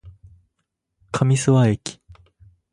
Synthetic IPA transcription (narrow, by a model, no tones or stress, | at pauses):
kʰamʲisɨβaekʲi̥